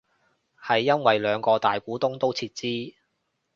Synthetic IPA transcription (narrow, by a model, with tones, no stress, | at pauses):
hɐ˨jːɐ˥nwɐ˨jlœː˨˧ŋkɔː˧t̪aː˨jkuː˨˥t̪ʊ˥ŋt̪o˥wt͡sʰiː˧t̚t͡siː˥